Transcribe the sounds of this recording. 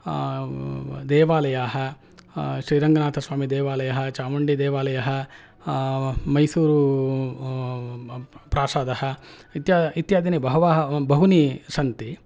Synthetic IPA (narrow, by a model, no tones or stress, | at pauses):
d̪ɛːʋaːlɐjaːɦɐ̆ | ʃɾiːɾɐŋɡɐnaːt̪ʰɐsʋaːmid̪eːʋaːlɐjɐɦɐ̆t͡ʃaːʋɐɳɖid̪eːʋaːlɐjɐɦɐ̆ | mɐjsuːɾu | pɾaːsaːd̪ɐhɐ̆ | it̪jaːit̪jaːd̪inibɐɦɐʋaːɦɐbʱɐɦunisɐnt̪i